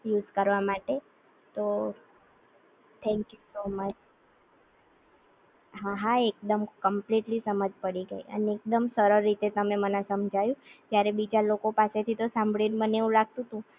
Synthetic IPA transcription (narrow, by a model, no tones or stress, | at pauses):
juzkəɾʋamaʈe | t̪o | t̪ʰɛ̃ŋkjusomət͡ʃ | ɦaɦaek̚d̪əmkəmpliʈlisəməd͡ʒʱpəɽiɡəḭə̰neek̚d̪əmsəɾəɾːit̪et̪əmemənasəmd͡ʒʱajũd͡ʒ̪jaɾebid͡ʒalokopaset̪ʰit̪osãmbʱɭinməneũlaɡ̚t̪ũt̪ũ